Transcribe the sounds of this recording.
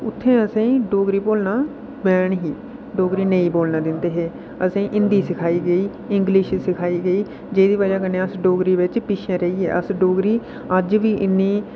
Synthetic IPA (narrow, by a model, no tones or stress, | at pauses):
ʊt̪ʰːẽːəsãːĩːɖoːɡɾiːboːlnaː | bɛːɳɦiː | ɖoːɡɾiːnəĩːboːlnaːd̪ɪnd̪eːɦeː | əsẽːʔɪnd̪iːsɪkʰaːiːɡəiː | ɪŋɡlɪʃsɪkʰaːiːɡəiː | d͡ʒeːd̪iːʋəd͡ʒaːkənẽːəsɖoːɡɾiːʋɪt͡ʃpɪʃẽːɾəiːɛ̰ːʔəsɖoːɡɾiː | əd͡ʒʋiːʔɪnːiː